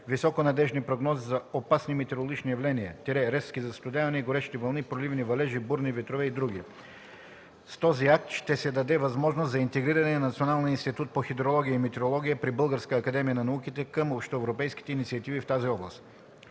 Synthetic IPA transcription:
visɔkonɐd̪ɛʒnipɾoɡnɔzizɐopasnimɛt̪ɛɾolˠoɡʲit͡ʃnijɐvlɛniət̪ɛɾɛɾɛskizɐst̪ʊd̪ʲavɐnɛiɡoɾɛʃi̥t̪ɛvɐlˠnipɾolivnivɐlɛʒibuɾnivɛt̪ɾovɛid̪ɾuɡ̟i | st̪ɔziak̚t̪ʃt̪ɛsɛd̪ɐd̪ɛvɐzmɔʒnost̪zɐint̪ɛɡɾiɾɐnɛnɐt̪sionalˠninst̪it̪ut̪̚poxid̪ɾolˠɔɡʲijəimɛt̪ɛɾolˠɔɡʲijəpɾibɤlˠɡəɾskəːkɐd̪ɛmijənɐnɐukit̪ɛkɐmopʃt̪oɛvɾopɛjskʲi̥t̪ɛinit̪siɐt̪ivift̪aziɔblˠɐst̪

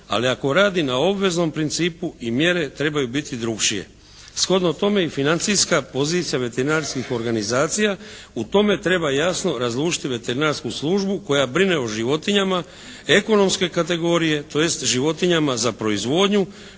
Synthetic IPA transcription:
a̰liako̞ɾaːd̪inao̞bʋe̞zno̞mpɾint̪siːpuimje̞ɾe̞t̪ɾe̞bajubit̪id̪ɾukt͡ʃije̞̰ | sxo̞d̪not̪o̞me̞ifinant̪sijskapo̞ziːt̪sijaʋe̞t̪eɾinaɾskixo̞ɾɡanizaːt̪sija | ut̪o̞me̞t̪ɾe̞bajasno̞ɾazlˠuːʃi̥t̪iʋe̞t̪e̞ɾinaɾskuslˠuʒbuko̞jabɾine̞oʒiʋo̞t̪iɲama | e̞ko̞no̞mske̞kat̪e̞ɡo̞ːɾije̞t̪o̞je̞st̪ʒiʋo̞t̪iɲamazapɾo̞izʋo̞d̪ɲu

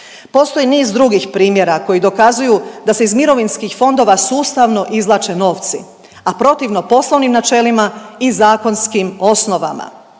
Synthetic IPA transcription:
po̞st̪o̞jiniːzd̪ɾuɡixpɾiːmje̞ɾako̞jid̪o̞kazujud̪ase̞izmiɾo̞ʋinskixfo̞nd̪o̞ːʋasuːst̪aʋno̞ʔizlˠat͡ʃe̞no̞ʋt̪si | apɾo̞t̪iʋno̞po̞slˠoʋnimnat͡ʃe̞limaizaːko̞nskimo̞sno̞ʋa̰ma̰

